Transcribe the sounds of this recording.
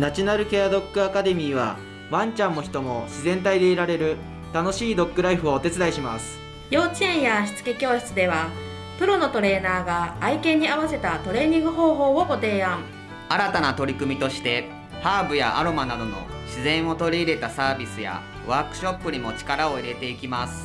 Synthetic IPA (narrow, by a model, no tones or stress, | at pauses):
nat͡ɕinaɾɯ̟ke̞ad̪o̞kːɯ̟akad̪e̞mʲiːβa̰ | βãɲ̟t͡ɕãnːo̞çi̥t̪o̞mo̞ɕizẽ̞nt̪aid̪e̞iɾaɾe̞ɾɯ̟ | t̪ano̞ɕiːd̪o̞kːɯ̟ɾaiɸɯo̞ːt̪e̞t͡sɨd̪aiɕimasɨ̥ | jo̞ːt͡ɕiẽɰ̃jaɕi̥t͡sɨ̥kekʲo̞ːɕi̥t͡sɨd̪e̞βa | pɯ̟ɾo̞no̞t̪o̞ɾe̞ːnaːɡaːikẽ̞ɲ̟ːiaβase̞t̪at̪o̞ɾe̞ːɲ̟ĩŋɡɯ̟ɦo̞ːɦo̞ːoɡo̞t̪e̞ːãŋ̃ | aɾat̪anat̪o̞ɾʲikɯ̟mʲit̪o̞ɕi̥t̪e̞ | haːbɯ̟ja̰ʔaɾo̞manad̪o̞no̞̰ɕizẽ̞ɰ̃o̞t̪o̞ɾʲiːɾe̞t̪asaːbʲisɨja̰ | βaːkɯ̟̥ɕo̞pːɯ̟ɲ̟imo̞t͡ɕi̥kaɾao̞iɾe̞t̪e̞ikʲimasɨ̥